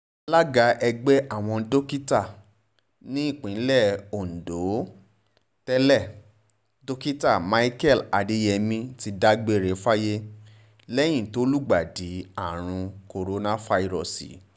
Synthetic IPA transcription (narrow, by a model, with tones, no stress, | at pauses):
la˦ɡa˧˦ʔɛ˧ɡ͡bɛ˦ʔa˦˨w̃ɔ̃˧do˦ki˦ta˦˨ | nĩ˦i˦˨k͡pĩ˨˦lɛ˦˨o˨n̩˨do˨˦ | tɛ˦lɛ˦˨ | do˦ki˦ta˦˨ma˦i˦kɛ˦˨la˧de˦jɛ˧mĩ˧ti˧da˦ɡ͡be˦˨ɾe˨˦fa˦je˦ | lɛ˦j̃ĩ˦˨to˦lu˦ɡ͡ba˨di˨˦a˦˨ɾ̃ũ˧ko˧ɾo˧nã˦fa˧i˦˧ɾɔ̰˦˨sḭ˨